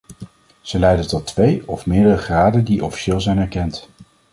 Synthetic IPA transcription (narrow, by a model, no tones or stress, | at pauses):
z̥əlɛjdəntɔtʋejɔfmɪːdərəχraːdəndiʔɔfi̥ʃɪːlˠzɛjnɛɹkɛnt